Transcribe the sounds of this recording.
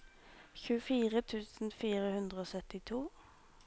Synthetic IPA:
çʉːəfiːʁət̪ʰʉːsn̩fiːʁəhʉnd̪ʁəoːsœt̪ɪt̪ʰuː

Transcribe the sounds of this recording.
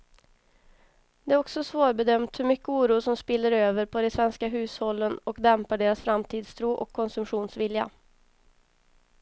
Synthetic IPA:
d̪ɛæːɾɔksɔsvoːɾbɛd̪œmt̪hɵɾmʏkːəuːɾuːsɔmspɪlːəɾøːvəɾpʰɔd̪ɛsvɛnskaɦʉ̟ːshɔlːənɔkd̪ɛmpaɖeːɾasfɾamt̪ʰiːd̪st̪ʰɾuːʔɔkʰːɔnsɵmɧuːnsvɪlja̰

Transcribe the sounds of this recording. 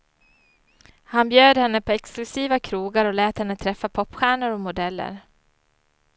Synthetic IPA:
hanbjøːd̪hɛnːəpʰɔɛksklɵsiːvakʰɾuːɡaɾɔlɛːt̪hɛnːət̪ʰɾɛfːapʰɔpːɧæːɳʊɾɔmʊd̪ɛlːə̰ɾ

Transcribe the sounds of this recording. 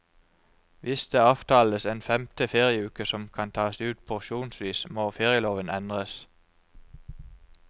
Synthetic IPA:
ʋʔɪsd̪̥eːɑːʋt̪ʰɑːləseːnfɛmt̪əfeːʁɪəʉːkəsɔmkʰɑnt̪ʰɑːsʉːt̪̚pʰʊʁʃuːnsʋiːsmoːfeːʁɪəloːʋənɛnd̪ʁəs

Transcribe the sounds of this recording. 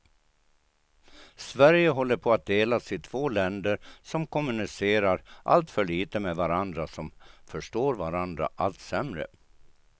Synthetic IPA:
svæɾjəɦɔlːəɾpʰɔat̪̚d̪eːlasɪt̪ʰv̥oːlɛnd̪əɾsɔmkʰɔmɵnɪseːɾaɾʔa̰lt̪fœɭiːt̪əmevaɾand̪ɾasɔmfœʂʈoːɾvaɾand̪ɾa̰ʔalt̪sɛmɾə̰

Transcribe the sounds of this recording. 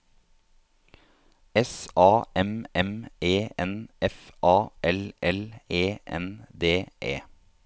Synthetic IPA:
ɛsʔɑːʔɛmɛmeːɛnɛfʔɑːʔɛlɛleːʔɛ̰nd̪eːʔḛː

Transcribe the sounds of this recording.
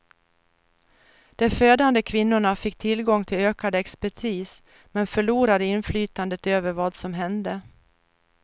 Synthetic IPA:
d̪̥ɛføːd̪and̪əkʰvɪnːʊɳafɪk̚ːt̪ʰɪlɡɔŋːt̪ʰɪløːkad̪ɛkspæʈʰiːs | mɛnfœɭuːɾad̪əɪnflyːt̪and̪ət̪øːvəɾvɑːd̪sɔmɦɛnd̪ə

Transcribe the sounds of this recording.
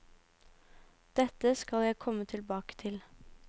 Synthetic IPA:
d̪̥ɛt̪əskɑljæɪkʰɔmət̪ʰɪlbɑːkə̥t̪ʰɪl

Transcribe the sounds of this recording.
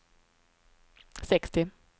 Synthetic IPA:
sɛkst̪ɪ

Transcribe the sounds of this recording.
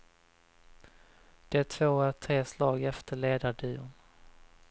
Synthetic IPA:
d̪̥ɛt̪ʰv̥oːæt̪ʰɾeːslɑːɡɛft̪əɭeːd̪aɖʉːʊn

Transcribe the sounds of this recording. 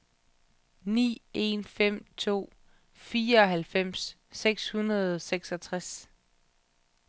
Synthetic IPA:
nḭːe̝̰nfem̰t͡sʰo̝̰ː | fiːɐɒ̽ɦælfem̰sː | eɡ̥shunɐð̞ˠɒseɡ̥sɒt͡sʰʁas

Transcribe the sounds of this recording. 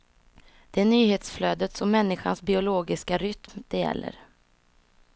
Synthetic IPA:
d̪̥ɛænyːheːt̪sfløːd̪ət̪sɔmːɛnːɪɧa̰nsbɪʊloːɡɪskaɾʏt̪md̪̥ɛjɛ̰lːə̰ɾ

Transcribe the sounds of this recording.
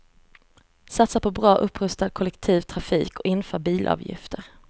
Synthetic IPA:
sat̪sapʰɔbɾɑːʔɵpːɾɵst̪ad̪̚kʰɔlɛkt̪ʰiːvt̪ʰɾafiːkɔɪnfœːɾbiːlʔɑ̰ːvjɪ̰ft̪əɾ

